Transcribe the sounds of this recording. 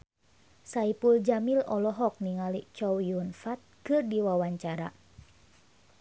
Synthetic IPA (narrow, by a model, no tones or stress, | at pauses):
saipuld͡ʒamilɔlɔɦɔk̚niŋaliʔt͡ʃɔwiunfat̪̚kɨrdiwawaɲt͡ʃaɾa̰